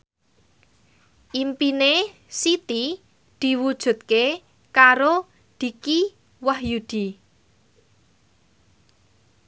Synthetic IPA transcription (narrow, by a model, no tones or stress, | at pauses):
ʔimpine | sit̪i | d̪̥i̤wud̥ʒ̥ṳt̪̚ke | kaɾo | d̪̥i̤ki | wahjud̪̥i